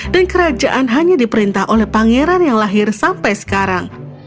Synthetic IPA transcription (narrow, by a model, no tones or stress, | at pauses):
dankəɾad͡ʒaʔanɦaɲadipəɾint̪aɦʔolɛhpaŋeɾanjaŋlaɦɪrsampajsə̥kaɾaŋ